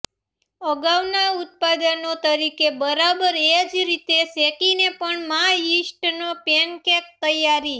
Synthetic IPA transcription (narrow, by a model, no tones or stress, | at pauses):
əɡaʋnaʊt̪̚pad̪ənot̪əɾikebəɾabəɾed͡ʒɾit̪esekinepəɳmaisʈnopenkek̚t̪əjaɾi